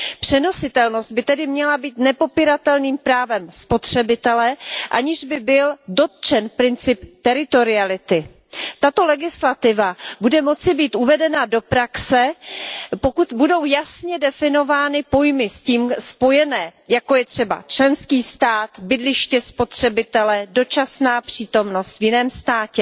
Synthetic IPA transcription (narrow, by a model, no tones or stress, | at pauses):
pr̝̥ɛno̞sɪt̪ɛlno̞st̪̚bɪt̪ɛdɪmɲɛlabiːt̪nɛpo̞piːɾat̪ɛlniːmpɾaːvɛmspo̞t̪r̝̥ɛbɪt̪ɛlɛʔa̰ɲɪʒbɪbɪldo̞t̪̚t͡ʃɛnpɾɪnt͡sɪpt̪ɛɾɪt̪o̞ɾɪalɪt̪ɪ | t̪at̪o̞lɛɡɪslat̪ɪvabudɛmo̞t͡sɪbiːt̪uvɛdɛnado̞pɾaksɛ | pokut̪budo̞wjasɲɛdɛfɪno̞vaːnɪpo̞jmɪsciːmspo̞jɛnɛːjako̞jɛt̪r̝̥ɛba̰t͡ʃlɛnskiːst̪aːt̪bɪdlɪʃcɛspo̞t̪r̝̥ɛbɪt̪ɛlɛdo̞t͡ʃasnaːpr̝̥iːt̪o̞mno̞st̪vjɪnɛːmst̪aːcɛ